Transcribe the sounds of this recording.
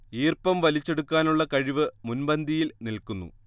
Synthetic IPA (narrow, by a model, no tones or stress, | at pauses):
iːrpɐmʋɐlit͡ɕːe̞ɽukːaːnuɭːɐkɐɻiʋɨmunbɐnd̪ʱijilnilkunːṵ